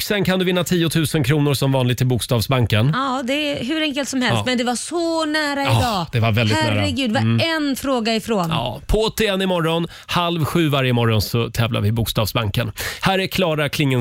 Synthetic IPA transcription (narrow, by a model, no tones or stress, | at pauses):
ksɛnkʰand̪ɵvɪnːat̪ʰiːʊt̪ʰʉ̟ːsənkʰɾuːnʊɾsɔmvɑːnlɪɡ̚t̪ʰːɪlbʊkst̪ɑːvsbaŋkənɑːd̪ɛɦʉ̟ɾɛŋkəlt̪sɔmhɛlst̪ːmɛnd̪ɛvasɔnæːɾad̪ɑːd̪̥ɛvaɾvɛld̪ɪhææɾːɾaɛɡʉ̟ːd̪ɛvaɛnfɾoːɡaɪfɾoːnɑ̰ːpʰɔɔt̪ʰɪɛnːɪmɔɾɔn | halvɧʉ̟ːvaɾjəmɔɾɔnsɔt̪ʰɛːvla̰ɾvɪbʊːkst̪ɑːvsbaŋkənhæːɾɛkʰlɑːɾakʰlɪŋːə